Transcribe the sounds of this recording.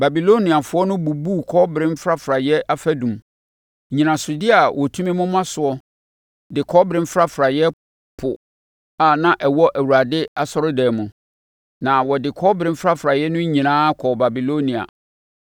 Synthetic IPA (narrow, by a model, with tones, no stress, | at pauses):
ba˨bi˨lo˦nĩ˨a˨fʊ˦ɔ˦nʊ̃˦bu˨bu˦kʰɔ˦bɪɾɪ̃˦m˦fɾa˦fɾa˨jɛ˦ʔa˦fæ˦dũ˨m˨ | ɲĩ˨nã˨sʊ˨dɪ˦a˨wʔɔ˨tʰũ˦mĩ˦mʊ̃˦m˦ã˦sʊ˨ɔ˦ | dɪ˨kʰɔ˦bɾɪ̃˦m˦fɾa˦fɾa˨jɛ˦ | pʰʊ˨ | a˨nã˨ʔɛ˨wɔ˦ʔæ˨wu˨a˨dɪ˦a˨sɔ˦ɾʊ˦dɛː˨mũ˨ | nã˨wɔ˨dɪ˨kʰɔ˦bɾɪ̃˦m˦fɾa˦fɾa˨jɛ˦nʊ̃˦ɲĩ˨nãː˦kʰɔ˨ba˨bi˨lo˦nĩ˨a̰˨